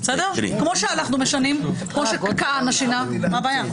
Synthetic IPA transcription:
sed̪eʁ̰kmo̞ʃeanaχnumeʃanimkmoʃekkaanaʃinamabaːja

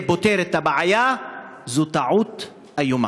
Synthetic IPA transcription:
bot̪eɾet̪abaʕajazut̪aʕut̪ | ajuma̰

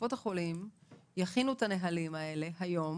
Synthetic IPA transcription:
o̞t̪haχo̞limjaχinuet̪ane̞ɦalimae̞le̞ɦajo̞m

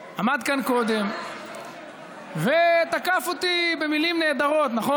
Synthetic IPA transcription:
amad̪kanko̞d̪e̞m | vet̪akafot̪ibe̞milimne̞ːd̪aʁo̞t̪naχo

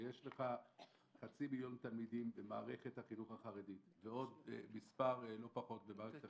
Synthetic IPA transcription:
jeʃleχa | χat͡similjo̞nt̪almid̪imbemaːʁe̞χe̞t̪haχinuχhaχaʁed̪it̪veo̞d̪mispaʁlo̞paχo̞t̪̚bemaːʁeeta

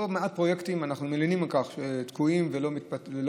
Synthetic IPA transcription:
omeat̪̚pʁo̞jekt̪imanaχnumelinimakaχʃet̪kuimvelo̞mit̪̚patel

